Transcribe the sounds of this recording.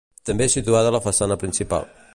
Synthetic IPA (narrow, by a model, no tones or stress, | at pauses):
t̪əmbesit̪uaðələfəsanəpɾinsipa̰lˠ